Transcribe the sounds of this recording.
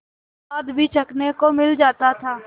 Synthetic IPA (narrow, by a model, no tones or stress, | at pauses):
aːd̪bʱit͡ʃɐknekomɪld͡ʒaːt̪at̪ʰaː